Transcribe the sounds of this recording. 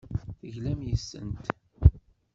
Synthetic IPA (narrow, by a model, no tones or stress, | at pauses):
θəʝlæmjəsːə̰nt̪